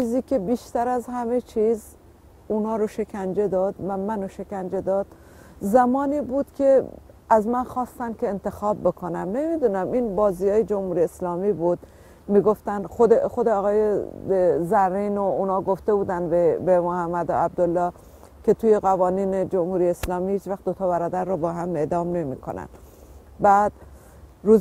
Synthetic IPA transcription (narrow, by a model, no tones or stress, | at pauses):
iːziːkʰʲe̞biːʃt̪æɾæzhæme̞t͡ʃʰiːz | unɒːɾoʃe̞kʰænd͡ʒe̞d̪ɒːd̪væmænoʃe̞kænd͡ʒe̞d̪ɒːd̪̥ | zæmɒːniːbuːd̪̥kʲʰe̞ | æzmænxɒːst̪ænd̪kʲʰeːnt̪e̞xɒːbːe̞kʰonæmnemid̪unæminbɒːziːjɒːjed͡ʒomhuːɾijeslɒːmiːbuːd̪̥ | miːɡo̞ft̪ænxod̪exod̪eɒːɣɒːje | zæɾːiːnounhɒːɡo̞ft̪e̞buːd̪ænd̪bbemohæmːæd̪oæb̚d̪olːɒː | kʰet̪ʰuːje̞ɣævɒːniːned͡ʒo̞mhuːɾijeːslɒːmiːhiːt͡ʃvæxd̪ot̪ʰɒːβæɾɒːd̪æɾːɔːbɒːɦæme̞d̪ɒːmne̞mḭːkʰo̰næ̰n | bæd̪̥ | ɾuːz